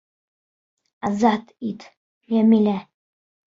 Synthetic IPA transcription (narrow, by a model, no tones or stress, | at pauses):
azat̪ʰʼit̪ʰ | jamilæ